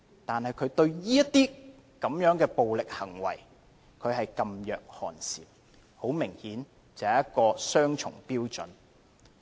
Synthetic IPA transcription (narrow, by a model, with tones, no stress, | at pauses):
t̪aː˨nhɐ˨jkʰɵ˨˧ɥt̪ɵ˧ɥjiː˥jɐ˥t̪iː˥ | kɐ˨˥mjœː˨˥ŋkɛː˧po˨wlɪ˨k̚hɐ˨˩ŋwɐ̰˨˩j | kʰɵ˨˧ɥɦɐ˨jkɐ˧mjœː˨k̚hɔ̰ː˨nsiː˨m | ho˨˥wmɪ˨˩ŋhiː˨˥n | t͡sɐː˨ɐ˨jɐ˥t̚kɔː˧sœː˥ŋt͡ʃʰʊ̰˨˩ŋpiː˥wt͡sɵ̰˨˥n